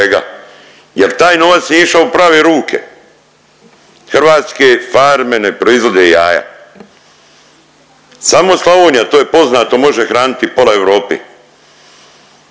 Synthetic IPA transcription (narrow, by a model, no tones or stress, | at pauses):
eɡa̰ | jelt̪aːjno̞ʋat̪snieiʃaupɾaːʋeɾuːkʰḛ | xr̩ʋaːt̪skefaɾme̞nepɾo̞izʋo̞d̪eijaːja̰ | samo̞slˠaʋoːɲjat̪oːjepo̞znaːt̪o̞mo̞ʒexɾaːnit̪ipo̞laeʋɾoːpḭ